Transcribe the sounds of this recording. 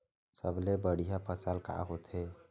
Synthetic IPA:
səblebəɽ̤ijapʰəsalka̰ɦot̪ʰe

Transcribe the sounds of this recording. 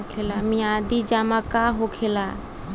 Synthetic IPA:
kʰelamĩad̪id͡ʒamakaɦokʰela

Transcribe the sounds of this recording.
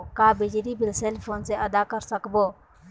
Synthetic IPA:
kaːbɪd͡ʒɾiːbɪlseːlpʰoːnseːʔəd̪aːkəɾsəkboː

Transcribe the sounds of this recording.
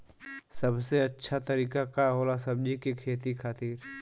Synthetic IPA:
sɐbseɐtːʃʰat̪ɐɾiːkakaɦoːlasɐb̚d͡ʒikekʰeːt̪ikʰaːt̪iːɾ

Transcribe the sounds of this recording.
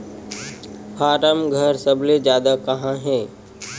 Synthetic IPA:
pʰaːɾəmɡʱəɾsəbled͡ʒjaːd̪akɐɦãɦeː

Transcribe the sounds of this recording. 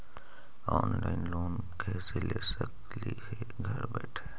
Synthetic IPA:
ɔːnlaɪnloːn | kʰesɪlesək | lihe | ɡʱəɾbɛːʈʰe

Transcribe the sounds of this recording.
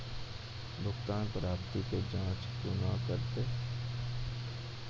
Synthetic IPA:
d̪ʊkt̪aːnpɾaːpt̪iked͡ʒãːt͡ʃpunakəɾt̪eː

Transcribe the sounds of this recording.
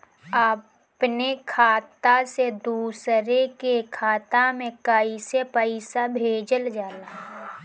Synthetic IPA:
a | pnekʰaːt̪ased̪uːsɾekekʰaːt̪amẽkəisepəɪsabʱeːd͡ʒəld͡ʒaːlaː

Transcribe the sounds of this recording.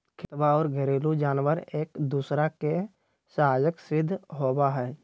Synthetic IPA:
kʰɪt̪waɔːɾɡəɾeːlud͡ʒaːnwəɾeːkd̪uːsɾake | saɦaːd͡ʒəksɾɪd̪ʱːɦoːwaɦɛː

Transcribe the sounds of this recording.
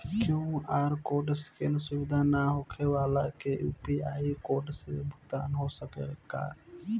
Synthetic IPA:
kjũaːɾkoːɖskensʊʋɪd̪ʱanaɦokʰeʋaːlakejṵpiaːikoːɖsebʱʊkt̪aːnɦosəkeka̰ː

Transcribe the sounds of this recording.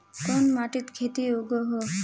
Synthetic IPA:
kɔnmaʈit̪kʰet̪iuɡɔɦo

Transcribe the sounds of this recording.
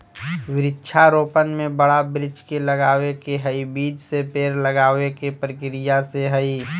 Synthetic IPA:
ʋɪɾɪtːʃʰaɾoːpənmẽbəɽabɾɪd͡ʒkeləɡaːwekeɦəibiːd͡ʒsepeːɾləɡaːʋekepɾəkɪɾɪjaseɦəi

